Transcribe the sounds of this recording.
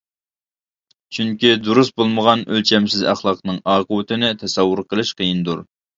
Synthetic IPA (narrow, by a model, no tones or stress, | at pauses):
t͡ʃʰyŋkʲid̪uɾust̪̚bolˠməʁɑnølt͡ʃʰɛmsɪzæ̰χlˠɑqnɨŋɑːqəwɨt̪ʰɨnɪt̪ʰɛsɛwːʊɾqʰəlˠɨʃqəjind̪uɾ